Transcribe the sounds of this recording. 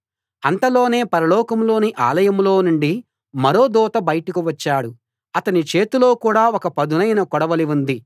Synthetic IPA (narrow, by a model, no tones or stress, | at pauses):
ɐnt̪ɐlo̞ːne̞ːpɐɾɐlɔːkɐmlo̞ːniʔa̰ːlɐjɐmlo̞ːnuɳɖi | mɐɾo̞ːd̪ɔːt̪ɐbɐjɐʈukuʋɐt͡ʃːaːɽu | ɐt̪ɐnit͡ʃe̞ːt̪uloːkuːɽaːɔkɐpɐd̪unɐjnɐkɔɽɐʋɐliund̪i